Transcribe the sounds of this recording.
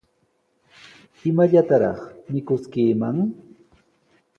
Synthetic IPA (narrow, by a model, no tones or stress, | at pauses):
ɪmaʎat̪aɾɑ̰χmɪkʊskiːmaŋ